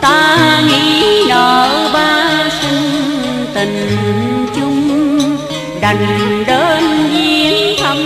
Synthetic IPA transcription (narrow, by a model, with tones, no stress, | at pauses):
t̪aː˧ŋḭ˧˥ɗɔ˨˩ɓaː˧sɨ˧ŋ | t̪ï˨˩ŋt͡ɕʊ˧ŋ͡m | ɗa˨˩jŋɗəː˧˥˧nzi˧˦ənha˧ŋ͡m